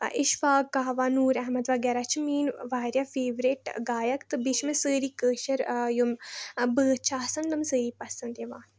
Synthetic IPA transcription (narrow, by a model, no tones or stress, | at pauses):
ʔiʃfaːkːaɦʋaːnuːɾɛɦmɐd̪ʋaːɡɛːɾat͡ʃʰimiːnʋaːɾjafeːʋɾiʈɡaːjɐkt̪ɨbiʃmɨsəːɾiːkəːʃɐɾjumbəːt͡ʃʰaːsɐnd̪ɨmsəːɾiːpɐsɐnd̪eʋaːn